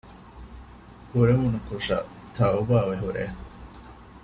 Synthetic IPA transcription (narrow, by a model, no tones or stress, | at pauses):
kuɾemunukuʂɐ̰ | t̪ʰɐubaːʋeɦuɾḛ